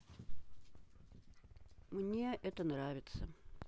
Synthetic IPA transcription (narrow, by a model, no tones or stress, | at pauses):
mnʲe̞ʔɛt̪ənravʲɪt̪sə